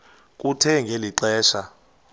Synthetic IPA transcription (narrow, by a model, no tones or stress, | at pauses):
k̬ʼutʰɛŋɡʱeliɛːʃa